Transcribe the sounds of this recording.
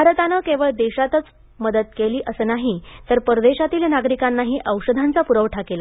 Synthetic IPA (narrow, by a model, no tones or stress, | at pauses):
bʱaɾət̪anəkẽʋəɭd̪eɕat̪ət͡s | məd̪ət̪̚keliːʔəsəːnaɦit̪əɾpəɾəd̪eɕat̪iːlnaɡɾikanːaɦiːʔəwɕəd̪ʱant͡sapuɾəʋʈʰakela